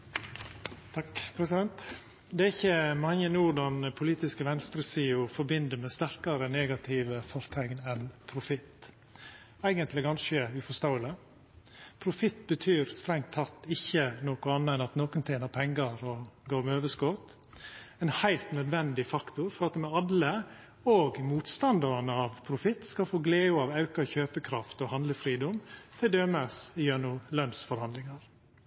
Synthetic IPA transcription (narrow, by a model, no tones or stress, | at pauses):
t̪ʰɑkpʰɾɛsɪd̪ɛnt̪ | d̪ɛæɾɪçːəmɑŋːənuːɖɑnəpʰʊliːt̪ɪskəʋɛnst̪ɾəsiːʊfɔɾbɪnd̪əɾmɛst̪æɾkɑɾəneːɡɑt̪ʰɪʋəfɔɾt̪ʰɛɡnɛnpʰɾʊfɪt̪ː | æɪɡənt̪ʰlɪɡɑnʃəʉfɔst̪oʊələ | pʰɾʊfɪt̪ːbət̪ʰyːɾst̪ɾɛŋt̪ʰːɑt̪ːɪçːənoːkʊɑnːəɛnɑt̪noːkənt̪ʰeːnəɾpʰɛŋɡəɾɔɡoːɾmɛøːʋəskoːt̪ | ɛnhæɪlt̪nœd̪ʋɛnd̪ɪfɑkt̪ʊɾfɔɾɑt̪mɛɑlə | oːɡmuːt̪st̪ɑnd̪ɑɾɑnəɑʋpʰɾʊfɪt̪ːskɑlfoːɡleːʊɑːʋɑʉkɑçøːpəkʰɾɑft̪ɔhɑnd̪ləfɾiːd̪ɔmt̪ʰɪld̪øːməsɪjøːɳuːlœnsfɔɾhɑnd̪lɪŋɑɾ